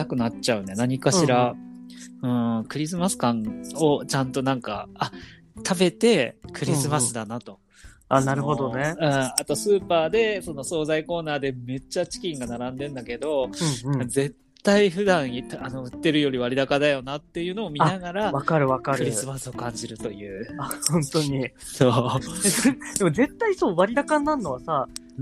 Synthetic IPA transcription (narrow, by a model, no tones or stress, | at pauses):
akɯ̟natt͡ɕaɯ̟nenaɲ̟ikaɕiɾa | ɯ̟̃ːɴkɯ̟ɾʲis̬ɨmasɨ̥kãɴo̞t͡ɕãnt̪o̞nãŋka̰ː | t̪ʰabe̞t̪e̞kɯ̟ɾʲisɨmasɨd̪anat̪o̞ | anaɾɯɦod̪oneɯ̟̃ːat̪o̞sɨːpaːd̪e̞so̞no̞so̞ːzaiko̞ːnaːd̪e̞me̞t͡ɕːat͡ɕi̥kʲĩŋɡanaɾãnd̪ẽ̞nd̪ake̞d̪o̞ | ze̞t̪ːaiɸɯ̟d̪ãɰ̃it̪ano̞ɯ̟t̪ːe̞ɾɯ̟jo̞ɾʲiβaɾʲid̪akad̪ajo̞nat̪ːe̞jɯ̟ːno̞ːmʲinaɡaɾaβakaɾɯ̟βakaɾkɾɯ̟ɾʲissɨmasɨo̞kãɲ̟d͡ʑiɾɯ̟t̪o̞jɯ̟ːahõnt̪o̞ɲ̟i | so̞ː | d̪̥e̞moze̞t̪ːaisoːβaɾʲid̪akãnːãnːo̞βasa